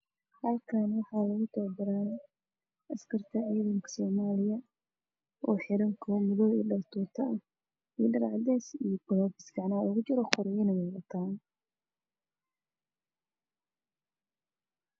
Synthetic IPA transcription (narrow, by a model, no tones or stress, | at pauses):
hɐlkʰanwɑħɑːlɐɣʊt̪ʰɔːrbɐɾaːn | ʔɐskʰɐrt̪ʰɐʕiːðɐŋkʰɐ̥sɔːmaːlɪjɐ | ʔɔːħɪɾɐŋkʰɔmʊðɔiːɖɐrt̪ʰuːt̪ʰɐɐ | iːɖɐɾʕɑ̰d̪ɛjsijbɔlɔːbɪsɡɐʕnɐlɐɣʊt͡ʃɪɾɔχɔɾɛjɪnɐwɛðɐt̪ʰaːn